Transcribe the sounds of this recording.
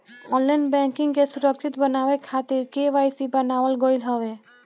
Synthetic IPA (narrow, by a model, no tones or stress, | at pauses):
ɔnlːajnbɛŋkiŋkesuɾɔkʰɾit̪bənaekʰat̪iɾkeʋajsibanawalɡɔjlɦɔbe